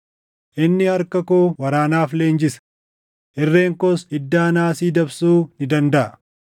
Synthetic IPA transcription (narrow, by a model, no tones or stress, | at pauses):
ʔɪnːɪɐɾkɐkoːwɐɾaːnaːfleːnd͡ʒɪsɐ̥ | ʔɪrːeːŋkɔsɪd̪ːaːnaːsiːd̪ɐbsuːnɪd̪ɐnd̪ɐʔɐ